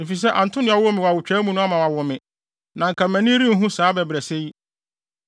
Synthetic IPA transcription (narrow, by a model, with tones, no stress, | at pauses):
e˨fi˨s̬ɛ˦ʔã˨n̩˨tʰʊ̃˦nɪ̃˦ɔ˨wʊ˦mɪ̃˨wa˨wʊ˨t͡ɕᶣɛ˦mũ˦nʊ̃˦a˦mã˨wa˨wʊ˨mɪ̃˨ | nã˨ŋ̩˨kʰã˨mæ̃˨nĩ˦ɾĩ˦ɦũ˦saː˨˦bɛ˨bɾɛ˨se˦ji˦